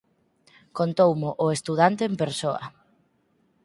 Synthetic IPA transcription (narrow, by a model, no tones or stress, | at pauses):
kont̪owmʊʔʊest̪uðant̪eːmpeɾsoɐ̰